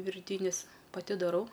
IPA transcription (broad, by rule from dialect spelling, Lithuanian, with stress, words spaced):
ʋʲɪrʲˈtʲiːnʲɪs pɐˈtʲɪ dɐˈrɐʊ